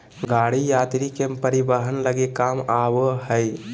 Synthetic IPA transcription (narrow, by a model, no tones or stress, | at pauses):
ɡaɽijat̪ɾikepəɾibəɦənləɡekamabəɦəj